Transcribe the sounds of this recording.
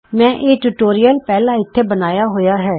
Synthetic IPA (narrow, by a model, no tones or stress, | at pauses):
mɛ̃ːʔeːʈuːʈoːɾijəlpɛːlãːɪt̪ʰːeːbənaːjaːɦoːjaːɦɛː